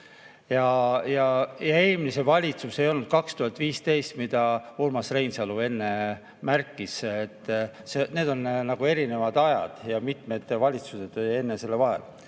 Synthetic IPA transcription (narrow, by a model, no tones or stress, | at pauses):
jɑjɑjɑe̞ːmlise̞vɑlʲit̪suse̞jo̞lnud̪̥kɑkst̪uhɑlt̪ːˑviːst̪e̞jst̪mid̪̥ɑolmɑsre̞jnsɑlue̞nːe̞ | mærkːˑisːt̪ːˑsene̞ːd̪̥o̞nnɑɡ̥ue̞ɾine̞vɑd̪ɑjɑ̰d̪̥jɑmit̪me̞d̪̥vɑlʲit̪suse̞d̪̥e̞nːese̞lːevɑɦe̞̰l